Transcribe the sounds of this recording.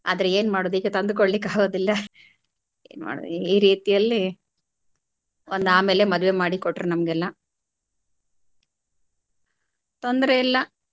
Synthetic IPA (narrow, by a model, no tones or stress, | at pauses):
a̰ːd̪ɐɾeeːnmaːɽoːd̪ikːet̪ɐnd̪ukoɭːikaːɡoːd̪ilːɐ | ḛːnma̰ːɽo̰ːd̪iːɾiːt̪ijɐlːi | ond̪aːme̞ːle̞mɐd̪ʋe̞maːɽikoʈːɾenɐmɐɡɛlːɐ | t̪o̞nd̪ɐɾeilːɐ